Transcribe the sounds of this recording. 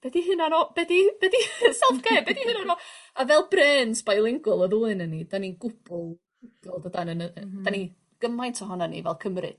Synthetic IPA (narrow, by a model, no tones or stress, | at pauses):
b̥ɛdiɦɨnanɔb̥ɛdib̥ɛdisɛlˠfɡ̥eːbɛdihɨnanɔavɛlˠbrɛːnsʰb̥ajlˠɪŋɡʊlˠɔðʊɨnənidaniɡʊb̥ʊlˠ | ɡ̥ɪlˠdədanənd̥ani | ɡ̥əmajntʰɔɦɔnanḭvɛlˠkʰəmrɨ̰d̥